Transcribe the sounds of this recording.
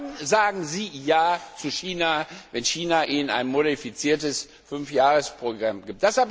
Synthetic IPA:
nzaːɡŋ̩ziːjaːt͡suʃiːnavɛnçiːnaʔiːnəna̰ɪnmodifit͡siːɐtəs | fʏnfjaːʁəspʁ̥oɡʁamɡiːp̚td̥ashap

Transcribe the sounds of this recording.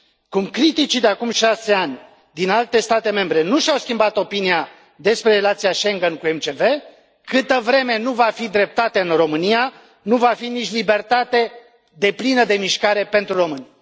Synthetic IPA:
kumkɾit̪it͡ʃid̪eakumʃase̞anʲ | d̪inalt̪e̞st̪at̪e̞me̞mbɾe̞nuʃawskʲimbat̪o̞pinija | d̪e̞spɾe̞ɾelat̪sijaʃeŋɡənkue̞mt͡ʃe̞ve̞ | kɨt̪əvɾe̞me̞nuvafid̪ɾe̞p̚t̪at̪eɨnro̞mɨnija | nuvafinit͡ʃʲlibe̞rt̪at̪e̞ | d̪e̞plinəd̪e̞miʃkaɾe̞pe̞nt̪ɾuro̞mɨnʲ

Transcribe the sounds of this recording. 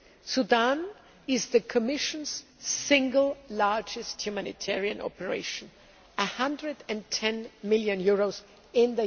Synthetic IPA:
sudãn | ɪzðɨkʰəmɪʃə̃nz̥sɪ̃ŋɡəl̩ˠlaɹd͡ʒɨsthjumænɪ̰tʰɛɹiɨ̃nʔɔ̰pəɹḛɪʃə̃n | əhʌ̃ndɹɨdɨ̃ntʰɛ̃nmɪlˠjɨ̃njʊɹoʊz | ɪ̃nðə

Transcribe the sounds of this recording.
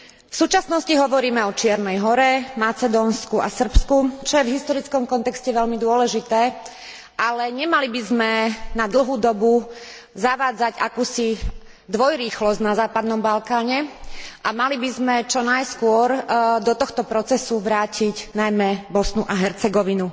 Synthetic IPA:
fsuːt͡ʃasnɔsciɦɔʋɔɾiːmɛɔt͡ʃɪɛɾnɛjɦɔɾɛmat͡sɛd̪ɔːnskua̰sr̩pskut͡ʃɔjɛvɦist̪ɔɾit͡skɔmkɔnt̪ɛkscɛʋɛʎmid̪ʊɔlɛʒit̪ɛː | ʔalɛɲɛmalibizmɛnad̪l̩ˠɦuːd̪ɔbu | zaʋaːd͡zaɟakuːsi | d̪ʋɔjɾiːxlɔznazaːpad̪nɔmbalkaːɲɛʔamalibizmɛt͡ʃɔnajskʊɔɾd̪ɔt̪ɔxt̪ɔpɾɔt͡sɛsuʋɾaːciɟnajmɛbɔsnuʔaɦɛɾt͡sɛɡɔʋinu

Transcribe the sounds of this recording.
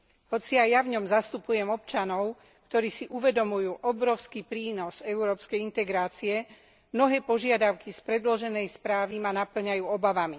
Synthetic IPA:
hɔt͡siajːavɲɔmzast̪upujɛmɔp̚t͡ʃanɔʊ | kt̪ɔɾiːsiʔuʋɛd̪ɔmujuːʔɔbɾɔʊskipɾiːnɔzɛuɾɔːpskɛjint̪ɛɡɾaːt͡siɛ | mnɔɦɛːpɔʒɪad̪aʊkispɾɛd̪lɔʒɛnɛjspɾaːʋimanapl̩ɲajuːɔbaʋami

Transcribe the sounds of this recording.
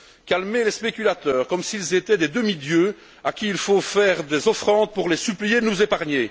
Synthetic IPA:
kalmelespekʲylat̪œːʁkɔmsilzet̪ɛd̪ed̪əmid̪jø | akʲiilfofɛːʁd̪ezɔfχɑ̃d̪̚puʁlesyplijed̪ənuzepaʁɲe

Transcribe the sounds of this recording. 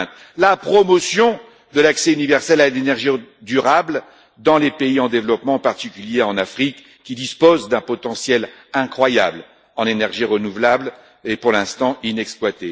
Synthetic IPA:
t̪ | lapχɔmɔsjɔ̃ | d̪əlaksɛynivɛʁsɛlanenɛʁʒid̪yʁabl | d̪ɑ̃lepeiɑ̃d̪evlɔpmɑ̃ːpaʁt̪ikʲyljeɑ̃nafχikː | id̪ispozd̪ɛ̃pɔt̪ɑ̃sjɛl | ɛ̃kχwajabl | ɑ̃nenɛʁʒiʁənuvlabl | epuʁlɛ̃st̪ɑ̃inɛksplwat̪e

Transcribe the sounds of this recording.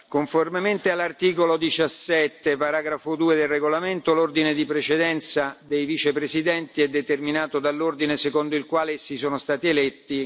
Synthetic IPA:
koɱformement̪ealːart̪iːkolod̪it͡ʃasːɛt̪ːepaɾaːɡɾafod̪uːed̪elreɡolament̪olord̪ined̪ipɾet͡ʃed̪ɛnt̪sad̪ejvit͡ʃepɾesid̪ɛnt̪iɛd̪ːet̪erminaːt̪od̪alːord̪inesekond̪oilkwaːlesisoːnost̪aːt̪ielɛt̪ːi

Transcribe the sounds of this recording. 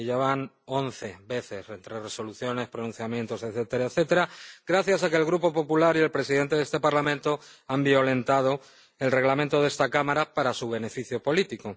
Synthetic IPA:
ʝaβan | o̞nθe̞βe̞θe̞sent̪ɾere̞soluθjo̞ne̞spɾonũn̟θjamje̞nt̪oseθet̪eɾaeθe̞t̪eɾaɡɾaθjasakelɣɾupo̞po̞pulaɾie̞lpɾe̞siðe̞nt̪e̞ðest̪e̞paɾlamẽnt̪o̞ambijo̞lẽ̞nt̪að̞o̞ | e̞lre̞ɣlament̪o̞ð̞e̞st̪akamaɾapaɾasuβe̞ne̞fiθjopo̞lit̪iko̞

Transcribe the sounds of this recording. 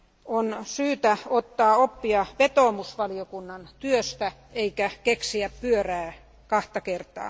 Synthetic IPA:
onsyːt̪æot̪ːɑːopːiɑʋet̪oːmusʋɑliokunːɑnt̪yøst̪æeikækeksiæppyøræː | kɑht̪ɑkert̪ɑ̰ː

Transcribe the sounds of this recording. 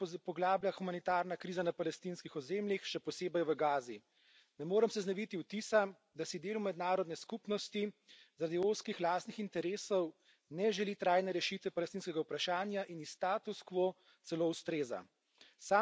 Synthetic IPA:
pɔɡlaːbljaxumanit̪aːɾnakɾiːzanapalɛst̪inskixɔzeːmljixʃɛpɔseːbɛjʋəɡaːzi | nɛmoːɾəmsɛznɛʋit̪iwt̪isa | d̪asid̪eːlumɛd̪naːɾɔd̪nɛskupnɔst̪izaɾaːd̪ioskixlaːst̪nixint̪ɛɾeːsɔw | nɛʒɛlit̪ɾaːjnɛɾɛʃit̪ʋɛpalɛst̪inskɛɡawpɾaʃaːnjaʔinist̪aːt̪uskʋo | t̪sɛloːwst̪ɾeːza̰ | saː

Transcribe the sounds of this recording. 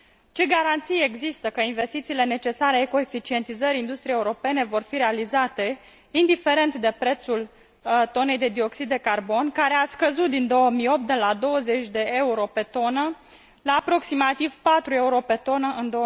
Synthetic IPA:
t͡ʃe̞ɡaɾant̪sijeeɡzist̪əkəinve̞st̪it̪siːle̞ne̞t͡ʃe̞saɾeeko̞efit͡ʃie̞nt̪izəɾʲind̪ust̪ɾieuɾo̞pe̞ne̞vo̞rfiɾe̞alizat̪e̞ | ind̪ife̞ɾe̞nt̪d̪e̞pɾe̞t̪sul | t̪o̞ne̞jd̪ed̪io̞ksid̪ːe̞karbo̞nkaɾe̞askəzut̪̚d̪ind̪o̞wəmio̞p̚t̪d̪elad̪o̞wəze̞t͡ʃʲd̪e̞ʔeuɾo̞pe̞t̪o̞nə | laːpɾo̞ksimat̪iv̥pat̪ɾue̞uɾo̞pe̞t̪o̞nəʔɨnd̪o̞

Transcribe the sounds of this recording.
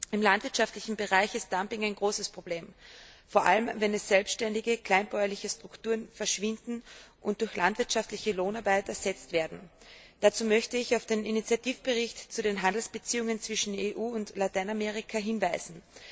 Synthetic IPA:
ɪmlantv̥ɪɐtʃaftlɪçn̩bəʁaɪçɪst̚d̥ampɪŋaɪnɡʁoːsəspʁ̥ob̥leːmfoːɐʔa̰ləmvɛnɛsz̥ɛlpsttɛndɪɡəkl̥aɪnbɔʏɐlɪçəstʁ̥ʊktuːʁənfɛɐʃv̥ɪndn̩ʔʊnt̚d̥ʊɐçlʔantv̥ɪɐtʃaftlɪçəloːnaɐbaɪtɛɐzɛt͡stv̥eːɐdn̩d̥at͡suːmœçtəɪçaʊfd̥eːninit͡sjatiːfb̥əʁɪçtt͡sudeːnɦandl̩sb̥ət͡siːʊŋənt͡sv̥ɪʃn̩eːʔuːʊntlataɪnameʁɪkʰaɦɪnvaɪzn̩

